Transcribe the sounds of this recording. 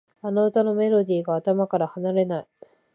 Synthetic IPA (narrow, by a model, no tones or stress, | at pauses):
ano̞ɯt̪ano̞me̞ɾo̞d̪ʲiːɡaːt̪amakaɾahanaɾe̞nai